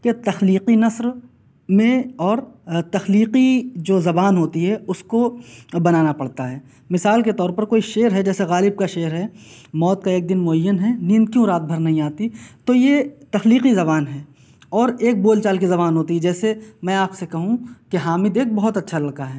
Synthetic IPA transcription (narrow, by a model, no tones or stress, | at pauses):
ket̪ɐxliːqinɐsɾ | mẽɔːɾt̪ɐxliːqid͡ʒoːzɐbaːnɦoːt̪iɦɛʊskobɐnaːnapɐɽ̤t̪aɦɛː | mɪsaːlket̪ɔːɾpɐɾkoːiʃeːɾɦɛd͡ʒɛːseɣaːlɪb̚kaʃeːɾɦɛːmɔːt̪̚kaeːk̚d̪ɪnmʊɐjːənɦɛːnĩːnd̪̚kijoɾaːd̪̚bʱɐɾnɐɦĩaːt̪it̪ojet̪ɐxliːqizɐβaːnɦɛː | ɔːɾeːk̚boːlt͡ʃaːlkizɐβaːnɦoːt̪iɦɛd͡ʒɛːsemɛ̃aːpsekɐɦũkeɦaːmɪd̪eːk̚bɐɦʊt̪ɐtːʃʰalɐkaɦɛː